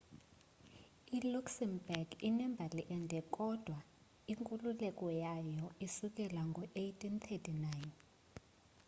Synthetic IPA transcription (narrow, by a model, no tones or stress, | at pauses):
iluksɛmbɛrɡinɛmbʱaliʔɛndʱɛkʼɔd̥ʱwa | iŋkʼululɛk̬ʼɔjajɔisuk̬ʼɛlwaŋɡʱɔʔejtʰʼint̪ʰɛtʰʼinajn